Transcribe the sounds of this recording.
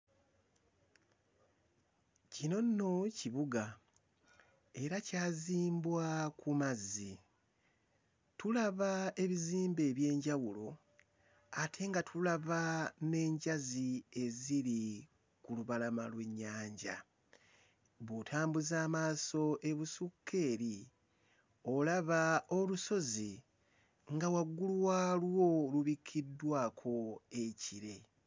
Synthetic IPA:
cino̞nːociβuɡa | e̞ɾacaːziːmbwakumazːi | tulaβae̞βiziːmbe̞ːβje̞ːɲɟawulo̞ | atʰe̞ŋɡatʰulaβane̞ːɲɟazie̞ziɾi | kuluβalamalwe̞ɲːaːɲɟa̰ | βotʰaːmbuzaːmaːso̞ʔe̞βusukʰːe̞ːɾi | o̞laβao̞luso̞zi | ŋɡawaɡːuluwaːlwo̞luβikʰːidːwaːkʰo̞eciɾe̞

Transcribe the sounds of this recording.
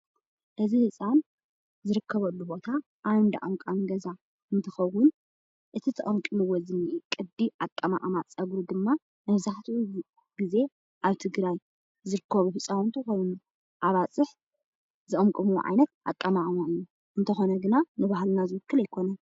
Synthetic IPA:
ʔɨzihɨsʼan | zɨɾɨkʰːɐβɐlːubo̞t̪ʰa | ʔːwnd̪a̰ʔɐmkʼamɡɐza | ɨnt̪ʰɨxɐwʊn | ʔɨt̪ʰit̪ʰɐʔʼɐmkʼɨmɨwɔzɨnɨʔikʼɨd̪iʔakʼːɐma̰ʔʼmat͡sʼɐɡɾud̪ɨmːa | mɐβzaħt̪ʰiʔu | ɡ̥ize̞ | ʔaβt̪ʰɨɡɾaj | zɨɾɨkʰːɐβufɨsʼawnt̪ʰɨxo̞jnu | ʔaβat͡sʼɨħ | zɨʔʼɐmkʼɨmuʕa̰jnɐt̪̚ʔa̰kʼːɐmaʔʼmaɨjːu | ʔɨnt̪ʰɐxo̞nɐɡɨnanɨβahlnazɨwɨkːɨlɐjkʰo̞nɐn

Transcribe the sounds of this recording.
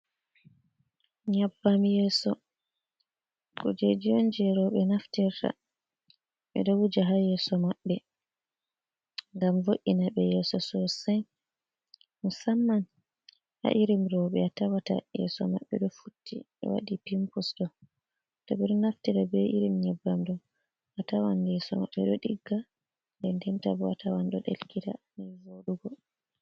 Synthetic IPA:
ɲabːamjɛːsɔ | kɔ̰d͡ʒed͡ʒijɔnd͡ʒɛɾɔɓɛnaftiɾta̰ | ɓɛ̰ɗɔwud͡ʒaɦajɛːsɔmaɓːɛ | ŋɡamvoʔinaɓɛjɛsɔsɔsɛj | musamːan | ha̰ʔiɾimɾɔwɓɛatawata̰jɛ̰sɔma̰ɓːɛɗɔfutːḭ | ɛ̰wa̰ɗipimpusɗɔ | tɔɓɛɗɔnaftiɾabɛʔiɾimɲɛbːamdɔ | atawandɛsɔma̰ɓːɛɗɔɗiɡːa | ndɛndɛmtabɔa̰tawanɗɔɗḛlkitanɛvoɗuɡɔ

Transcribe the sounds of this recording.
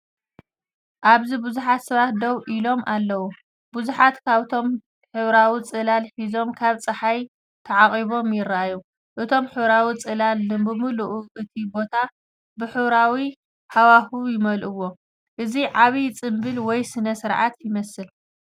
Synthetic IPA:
ʔaβzibɨzuħat̪sɐβat̪̚d̪ɐwʔilo̞mʔalːɐwu | buzuħat̪kʰaβɨt̪ʰo̞m | ħɨβɾawit͡sʼɨlalħizo̞mkʰaβt͡sʼɨħaj | t̪ʰɐʕaχʼiβo̞mjɪraju | ʔɨt̪ʰo̞mħɨβɾawit͡sʼɨlalnɨbɨmuluʔuʔɨt̪ʰibo̞t̪ʰa | bɨħɨβɾawi | ħawaxujɪmɐlʔɨwːo̞ | ʔɨziʕaβit͡sʼɨmbɨlwɔjsɨnɐsɨɾʕat̪jɪmɐsɨl

